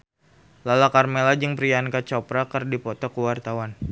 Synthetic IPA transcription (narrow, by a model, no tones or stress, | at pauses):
lalakarmelad͡ʒɨŋpɾijankat͡ʃɔpɾakərdipɔt̪ɔkuwart̪awan